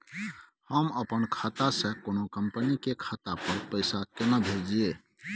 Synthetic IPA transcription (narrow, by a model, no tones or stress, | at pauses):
həməpənkʰat̪asə̃konokəmpənikekʰat̪apəɾpəɪsakenəbʱeɾd͡ʒie